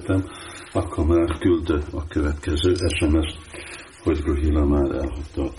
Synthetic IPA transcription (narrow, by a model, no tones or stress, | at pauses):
t̪ɛmɒkʰhɒmaːrkyld̪øɒkøvɛt̪kɛzøːʔɛʃɛmɛʃ | hoɟruɦilɒmaːɾɛ̰lɦott̪ːɒ